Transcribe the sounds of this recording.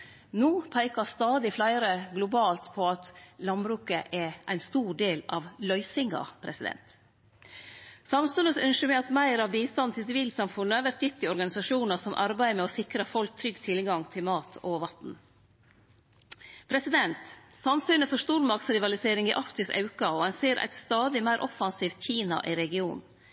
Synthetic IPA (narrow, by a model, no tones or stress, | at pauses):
nuːpʰæɪkɑst̪ɑːd̪ɪflæɪɾəɡlʊbɑːlt̪pʰɔɑt̪lɑnbɾʉːkəʔɛʔæɪnst̪uːɖeːlɑ̰ːʋlœʏsɪŋɑ̰pʰɾɛ̰sɪd̪ɛ̰nt̪ | sɑmsʉːnəsœnʃəmæɪɑt̪mæɪɾɑʋbiːst̪ɑnt̪ʰɪlsɪʋiːlsɑmfʊnːəʋæɾʈ̪jɪt̪ːɪɔɾɡɑnɪsɑʂuːnəsɔmʔɑɾbæɪəmɛɔsɪkɾəfɔlk̚t̪ʰɾʏɡt̪ʰɪlɡɑŋt̪ʰɪlmɑːt̪ʰɔʋɑt̪n̩ | pʰɾɛsɪd̪ɛnt̪sɑnsyːnəfɔʂt̪uːɾmɑɾkt̪sɾɪʋɑlɪseːɾɪŋɪʔɑɾkt̪ɪsʔɑ̰ʉkɑɔhɑnseːɾʔæ̰ɪt̪st̪ɑːd̪ɪmæɪɾʔɔfɑnsiːft̪çiːnɑ̰ʔɪɾɛɡɪuːnn̩